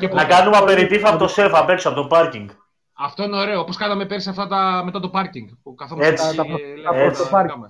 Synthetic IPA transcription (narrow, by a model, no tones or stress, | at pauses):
epnɐkɐnumɐpeɾit̪iθɐpot̪osefɐpeksɐpot̪opɐɾciŋɡ | ɐft̪o̞ineo̞ɾe̞ooposkɐnɐmepeɾsɐft̪ɐt̪ɐme̞t̪ɐt̪o̞pɐɾciŋɡpukɐθomet͡sɐeopɐɾɐ